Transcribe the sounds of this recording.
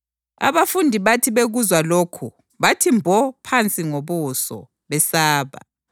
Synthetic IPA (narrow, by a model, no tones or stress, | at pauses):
a̰βafundʱiβatʰiβeɣuzwaloːkʰu | βatʰimbʱɔpʰant͡sʼiŋoβusɔ̰ | βɛsaːβa̰